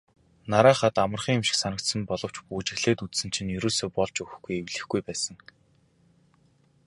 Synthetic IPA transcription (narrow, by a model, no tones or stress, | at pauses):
naɾaːχaːt̪amə̆rχiːŋemʃɪ̥̆ksanə̆kt̪sə̆mpɔɮɞ̆w̥t͡ɕpuːt͡ɕɪ̆xɮeːt̪ut͡ssɘ̆nt͡ɕʰĭnjɵɾoːɮseːpɔɮt͡ɕɵx̆xɡujewɮɘ̆xɡ̥ujpæːsə̆ŋ